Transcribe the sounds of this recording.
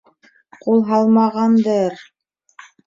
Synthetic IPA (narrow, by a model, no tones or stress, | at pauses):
qulˠɦɑlˠmɑʁɑnd̪ɤɾ